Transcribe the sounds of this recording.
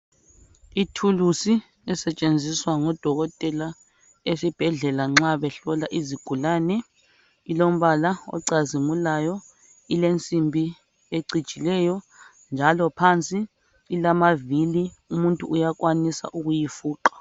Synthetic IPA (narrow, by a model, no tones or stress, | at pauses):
itʰulusi | ɛsɛt͡ʃʼend͡zʱiswaŋɔd̥ʱɔɣɔtʼɛla | esib̥ʱɛɮɛlaŋ͡ǁaβɛɬɔlaʔiziɡ̥ʱulanɛ | ilom̩βalaɔ̰ǀazimulajɔ | ilent͡sʼimbʱi | eǀi̥t͡ʃʼilɛjɔ | nd͡ʒʱalɔpʰant͡sʼiː | lamaviliumuntʼṵujak̬wanisa̰ʔuɣujifuːǃḁ